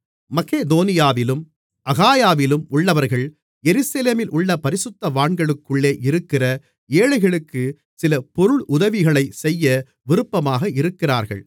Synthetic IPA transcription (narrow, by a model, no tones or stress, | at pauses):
mɐkeːd̪oːnɪjaːʋɪlɯm | ʔɐɣaːjaːʋɪlɯmʊɭːɐʋɐɾɣɐɭ | jɛɾɯsɐleːmɪlʔʊɭːɐpɐɾɪsʊt̪ːɐʋaːɳɡɐɭɯkːɯɭːeːʔɪɾɯkːɪrɐ | eːɻɐɪɣɐɭɯkːɯ | sɪlɐpɔɾɯɭʔʊðɐʋɪɣɐɭɐɪsɛjːɐ | ʋɪɾɯpːɐmaːɣɐɪɾɯkːɪra̰ːɾɣɐ̰ɭ